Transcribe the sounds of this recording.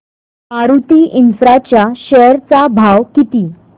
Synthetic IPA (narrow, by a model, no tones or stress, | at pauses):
aɾut̪iːʔinfɾat͡ɕjaɕɛɾt͡sabʱawkit̪iː